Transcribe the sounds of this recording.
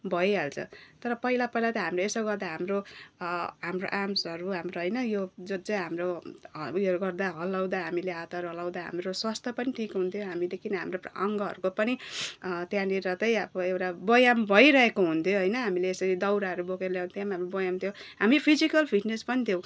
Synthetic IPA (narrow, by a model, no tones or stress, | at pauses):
bʱʌjɦalt͡sʰʌ̰t̪ʌɾʌpʌɦilapʌilat̪ʌɦamroesʌwɡʌrd̪aɦamro | ɦamro̰ʔamsʌɾuɦamroɦʌjnʌjod͡zʌd͡zʌjɦamro | jʌɾuɡʌrd̪aɦʌlawd̪aɦamileat̪aɾɦʌlawd̪aɦa̰mɾoswast̪ʰʌpʌniʈʰikɦunt̪ʰjoɦamilekʰiniɦa̰mroʌ̰ŋɡʌɦʌ̰ɾukopʌnit̪jãneɾʌt̪ʌjʌbʌewʈabʌjambʱʌiɾʌekoɦunt̪ʰjoɦʌjnʌɦamileesʌɾid̪ʌwɾaɦʌɾubokerljawnt̪jãmaɦamrobʌjamt̪ʰjoɦamipʰid͡zikʌlpʰiʈnespʌnit̪ʰjõ